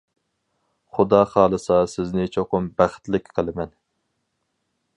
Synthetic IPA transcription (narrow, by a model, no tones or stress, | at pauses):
χʊd̪ɑːχɑːlˠɨsɑsɪznɪt͡ʃʰoqʊmbæχt̪lɪkʲqʰəlˠɪmɛn